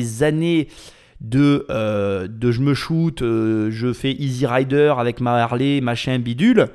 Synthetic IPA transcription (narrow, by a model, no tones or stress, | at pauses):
zane | d̪əød̪əʒəməʃut̪øʒəfɛʔiziʁajd̪œʁavɛkmaɛʁlemaʃɛ̃bid̪yl